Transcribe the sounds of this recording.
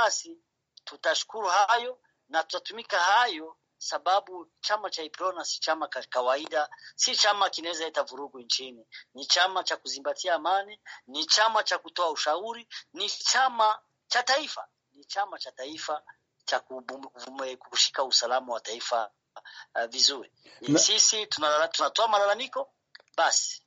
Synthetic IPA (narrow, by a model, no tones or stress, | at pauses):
asi | tutaʃu̥kuɾuhajɔ | natu̥tatumikahajɔ | saɓaɓut͡ʃamat͡ʃaipɾɔnasi̥t͡ʃamakawaiɗasit͡ʃamakinawɛzaɛtavuɾuɡunt͡ʃininit͡ʃamat͡ʃakuzimbatʰiaːmanɛnit͡ʃamat͡ʃakutɔauʃauɾinit͡ʃama | t͡ʃataifa̰ | nit͡ʃamat͡ʃataifa | t͡ʃakuvɛkuuʃi̥kausalamawataifa̰ | vizuɾi | sisituatunatɔamalalamikɔ | ɓasi̥